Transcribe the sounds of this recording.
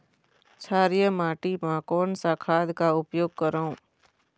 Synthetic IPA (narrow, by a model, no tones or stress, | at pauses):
t͡ʃʰaːɾijəmaːʈimãkɔːnsakʰaːd̪kaʊpjoːɡ̚kəɾaũː